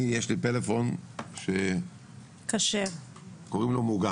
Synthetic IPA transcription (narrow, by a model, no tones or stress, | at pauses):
ijeʃlitelefo̞nʃe | kaʃev | koʁimlomuɡa